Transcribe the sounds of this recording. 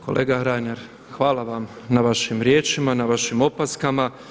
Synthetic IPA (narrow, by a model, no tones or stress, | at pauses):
ko̞̰lʔḛːɡaɾajneɾ | xʋaːlaʋam | naʋaʃimɾjeːt͡ʃimanaʋaʃimo̞paskama